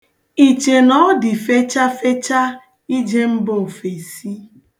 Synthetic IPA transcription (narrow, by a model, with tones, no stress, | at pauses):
i˨t͡ʃe˨nɔ˦dɪ˨fe˦t͡ʃa˦fe˦t͡ʃa˦ | i˦d͡ʒe˦m̩˦bo˨fe˨si˦